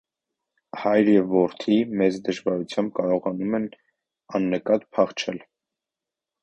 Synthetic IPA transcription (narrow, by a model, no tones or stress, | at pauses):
hɑjɾjɛvːɔɾt̪ʰimɛt͡sd̪əʒvɑɾut͡sʰjɑmb̚kɑɾɔʁɑnumɛn | ɑnːəkɑt̪pʰɑχt͡ʃʰɛl